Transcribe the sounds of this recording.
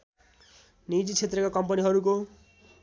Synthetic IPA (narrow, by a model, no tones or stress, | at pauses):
nid͡zit͡sʰet̪rʌkakʌmpʌniɦʌɾuko